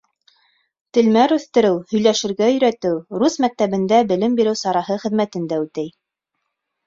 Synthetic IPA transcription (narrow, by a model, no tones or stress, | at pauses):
t̪ɘ̆lmæɾʉθt̪ɘ̆ɾɘwhɵ̆jlæʃɘ̆ɾɡæɵ̆jɾæt̪ɘwɾusmæk̚t̪æβɘ̆nd̪æbɘ̆lɘmbiɾɘwsɑɾɑɦɤχɘ̆ðmæt̪ɘ̆nd̪æʉt̪æj